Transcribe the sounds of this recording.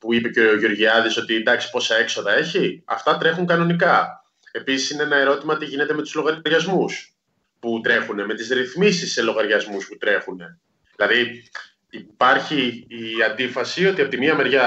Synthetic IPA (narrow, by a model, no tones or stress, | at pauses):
puipe̞ceo̞ʝo̞ɾʝiɐðiso̞t̪iːnd̪ɐksi̥po̞sɐe̞kso̞ðɐe̞çiɐ̰ft̪ɐt̪ɾe̞xuŋkɐno̞nikɐ | e̞pisi̥sineenɐe̞ɾo̞t̪imɐt̪iʝine̞t̪eme̞t̪uzlo̞ɣɐɾɐɾʝɐzmus | put̪ɾe̞xune̞me̞t̪izɾiθmisisːe̞lo̞ɣɐɾʝɐzmusput̪ɾe̞xune̞ | ðilɐði | ipɐɾçiːɐnd̪ifɐsio̞t̪iɐpot̪imiɐme̞ɾʝɐ